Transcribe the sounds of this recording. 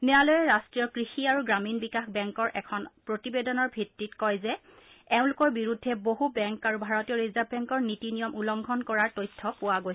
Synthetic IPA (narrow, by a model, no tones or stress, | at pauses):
nɛjalojɛɹastɹijɔkɹixiaɹuɡɹaminbikaxbɛŋkɔɹʔɛkʰɔnpɹotibedɔnɔɹbʱitɹitkɔjzɛ | ɛʊ̃lʊkɔɹbiɹudʱːɛboɦubɛŋkaɹubʱaɹɔtijɔɹizabʱɛŋkɔɹnitinijɔmulɔŋɡʱɔnkɔɹaɹtojtʰːɔpʊwaɡoj